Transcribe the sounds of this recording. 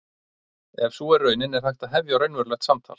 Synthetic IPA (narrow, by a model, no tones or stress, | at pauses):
ɛvsuːɛɾːœːɥnɪnɛɾ̥hajht̪aðɦɛvjaɾœɥnvɛɾlɛxt̪samt̪ʰa̰l